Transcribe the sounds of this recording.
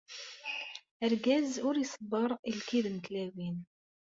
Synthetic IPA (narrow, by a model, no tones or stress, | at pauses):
əɾɡæzʊɾjsˤəbːəɾˤilkiðnt̪læwin